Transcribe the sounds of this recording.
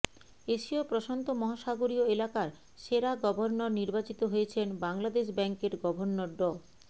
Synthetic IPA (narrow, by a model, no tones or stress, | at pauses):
eʃiopɾoʃont̪omɔɦaʃaɡoɾioelakaɾ | ʃeɾaɡɔbʱoɾnoɾniɾbat͡ɕit̪oɦojet͡ɕʰenbaŋlad̪eʃbɛŋkeɾɡɔbʱoɾnoɾɖo